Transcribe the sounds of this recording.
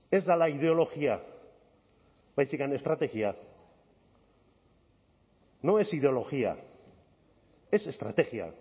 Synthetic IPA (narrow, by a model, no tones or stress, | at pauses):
e̞zd̪alaiðe̞o̞lo̞ɣia | βajsikane̞st̪ɾat̪e̞ɣia | no̞e̞siðe̞o̞lo̞ɣia̰ | e̞se̞st̪ɾa̰t̪e̞ɣia̰